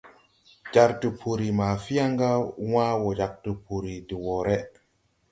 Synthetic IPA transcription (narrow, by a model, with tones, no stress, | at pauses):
d͡ʒa˨ɾtu˨pʰu˨ɾi˨ma˨fi˦ja˦ŋɡa˦waː˦wɔ˨d͡ʒa˨k̚tu˨pu˨ɾi˨di˨wɔ˨ɾɛ˦